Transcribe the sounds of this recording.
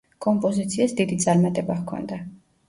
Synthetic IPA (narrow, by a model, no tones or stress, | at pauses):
kʼɔmpʼɔzit̪sʰiasd̪id̪it̪sʼaɾmat̪ʼɛbaʁkʰɔ̰nd̪a